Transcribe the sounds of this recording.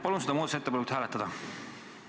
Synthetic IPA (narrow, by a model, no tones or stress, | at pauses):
pɑluns̬ed̪ɑmoːd̪ɑset̪ːeɑlekut̪hæːlet̪ːˑɑd̪̥ɑ